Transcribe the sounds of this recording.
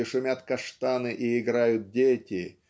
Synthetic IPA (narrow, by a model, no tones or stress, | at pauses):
ɪʂʊmʲat̪kɐʂt̪anɨʔɪɪɡɾajʊt̪̚dʲetʲɪ